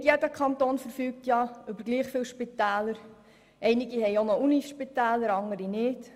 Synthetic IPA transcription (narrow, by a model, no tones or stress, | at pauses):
tjedəkχɑnt̪oːnfəɾfyːk̚tjɑʏbəɾɡliːχfɪːwʃpit̪ɛːləɾ | ʔɛɪnɪɡihɛɪonouniʃpit̪æːləɾɑŋəɾinɪːt